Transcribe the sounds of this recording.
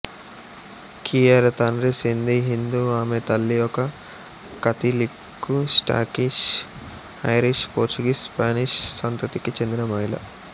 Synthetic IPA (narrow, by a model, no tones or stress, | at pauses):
kʰiːɐɾt̪ɐnɾisind̪iɦind̪uaːmet̪ɐlːijɔkɐ | kɐt̪ilikːusʈa̰ːkiʃ | ɐjɾiʂpoːɾt͡ʃuɡiːsspaːniʂsɐnt̪ɐt̪ikit͡ʃe̞nd̪inɐmɐɦilɐ̰